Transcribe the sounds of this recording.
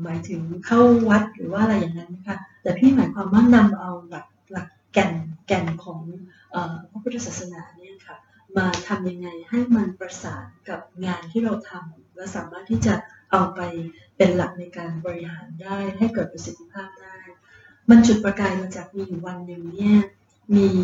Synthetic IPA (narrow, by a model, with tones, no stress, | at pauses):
maː˩˦jt̪ʰɯ˩˦ŋkʰa˥˩wwa˦˥t̪̚ɾɯː˩˦waː˥ʔa˧ɾa˧jːaː˨˩ŋa˦˥nma˦˥kʰa˦˥t̪ɛː˨˩pʰiː˥˩maː˩˦jkʰwaː˧mːa˥˩ŋna˧mʔa˧wla˨˩k̚la˨˩kːɛ˧nkɛ˧nkʰɔː˩˦ŋ | ʔɤː˨˩pʰa˦˥pʰu˦˥a˧saː˨˩t̪sa˧naː˩˦ni˥˩ɐkʰa˦˥˩ | maː˧t̪ʰa˧mja˧ŋːa˧jha˥˩jma˧npɾa˧saː˩˦nka˨˩p̚ŋaː˧nt̪ʰiː˥˩ɾa˧wt̪ʰa˧mlɛː˦˥wsaː˨˩˦maː˥˩t̪ʰːiː˥˩t͡ɕa˨˩ʔa˧wpa˧j | pe˧nla˨˩k̚na˧jkaː˧nbɔː˧ɾi˧ɦhaː˩˦ndaː˥˩jɦa˥˩jkɤː˨˩t̪̚pɾa˧si˨˩˥t̪ʰːi˦˥pʰaː˥˩p̚daː˥˩j | ma˧nt͡ɕu˨˩t̪̚pɾa˧kaː˧jma˧t͡ɕaː˨˩k̚miː˧juː˨˩wa˧nːɯ˨˩ŋni˥˩ɐ | miː˧